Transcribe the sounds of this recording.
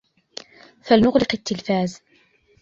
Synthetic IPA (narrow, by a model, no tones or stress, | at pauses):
falnʊɣlɪqɪt̪ːɪlfaːz